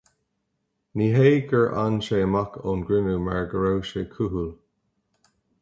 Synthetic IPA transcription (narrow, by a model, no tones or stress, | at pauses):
niːɦeːɡəɹʔa̰nʃeːmakʰonɡɹɪnumaɹɡəɹowʃekʰuɦul